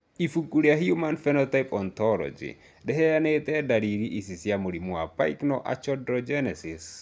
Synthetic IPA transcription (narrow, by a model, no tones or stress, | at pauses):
ifukuɾiaɦiumanfɛnɔt̪ajpɔnt̪ɔlɔ̰d͡ʒḭ | dɛɦɛjanet̪ɛdaɾiɾiʔisisjamoɾimuapa̰jknɔʔa̰t͡ʃɔdɾɔd͡ʒɛnɛsis